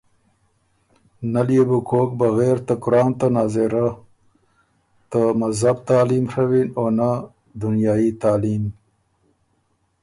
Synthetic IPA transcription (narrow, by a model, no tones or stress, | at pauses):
naljebukʰoːk̚baɣeːɾt̪akʊɾɑːnt̪anɑːzeɾa | t̪amazɦab̚t̪ɑːlimʂawinona | d̪unjɑːit̪aːlim